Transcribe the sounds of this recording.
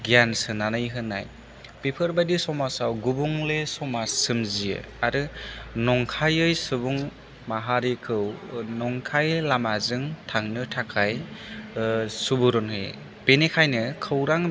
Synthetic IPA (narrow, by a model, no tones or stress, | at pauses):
ɡjansɯnanɯjɦɯnːa̰j | pepʰɯɾbadisɔmasawɡubuŋlesɔmasɯmzijɯ̰ | aɾɯnɔŋkʰajɯjsɯbuŋ | maɦaɾikʰɯwnɔŋkʰajlamazɯŋtʰaŋnɯtʰakʰaj | subuɾɔnhɯ̰j | penekʰajnɯkʰɯwɾaŋ